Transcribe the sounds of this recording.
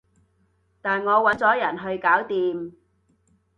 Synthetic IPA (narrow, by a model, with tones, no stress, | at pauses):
t̪aː˨nŋɔː˨˧wɐ˨˥nt͡sɔː˨˥jɐ˨˩nɦɵ˧ɥkaː˨˥wt̪iː˨m